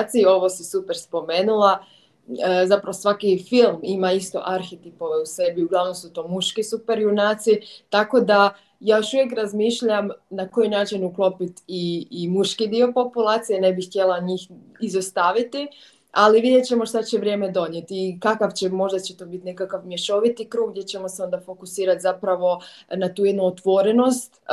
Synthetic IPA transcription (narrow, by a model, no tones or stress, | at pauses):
t̪siio̞ʋo̞sisupeɾspo̞me̞ːnulˠa | zapɾaʋosʋakifilˠmimaist̪o̞̰ʔaɾxet̪ipo̞ʋe̞use̞biuɡlˠaʋno̞msut̪o̞ːmuʃkisupeɾjunaːt̪sit̪ako̞d̪a | jaːjo̞ʃuʋjekɾazmiːʃʎamnako̞jinaːt͡ʃinuklo̞pit̪iːmuʃkid̪io̞po̞pulˠaːt̪sijene̞bixt̪ʲje̞lˠaɲiːx | izost̪aːʋit̪i | aliʋid̪jet̪t͡ɕe̞mo̞ʃt̪at͡ɕe̞ʋɾje̞ːme̞d̪o̞ɲje̞t̪ikakaʋt͡ɕemo̞ʒd̪at͡ɕet̪o̞bit̪ne̞kakaʋmjeʃo̞ʋit̪ikɾuːɡd̪jet͡ɕe̞moseo̞nd̪afo̞kusiːɾat̪zapɾaʋo̞nat̪uːje̞d̪nuot̪ʋo̞ɾe̞no̞st̪